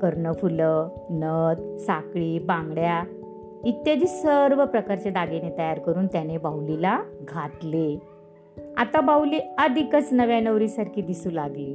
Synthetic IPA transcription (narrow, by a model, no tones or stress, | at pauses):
kəɾnəfulə | nəd̪sakɭiːbãŋɡɽja | it̪jad̪iːsəɾʋəpɾəkaɾt͡ɕed̪aɡenet̪əjaɾkəɾuːnt̪janebawlilaɡʱat̪le | a̰t̪abawliːəd̪ʱikət͡snəʋjanəʋɾisaɾkʰiːd̪isuːlaɡliː